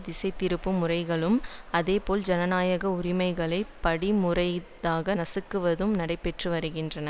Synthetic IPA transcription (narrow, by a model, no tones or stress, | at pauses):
d̪ɪsɐɪt̪ːɪɾɯpːɯmʊrɐɪɣɐɭɯmɐðeːpoːld͡ʒɐnɐnaːjɐɣɐʊrɪmɐɪɣɐɭɐɪpɐɽimʊrɐɪðaːɣɐnɐsɯkːɯʋɐðɯmnɐɽɐɪpːɛʈrɯʋɐɾɯɣɪndrɐnɐ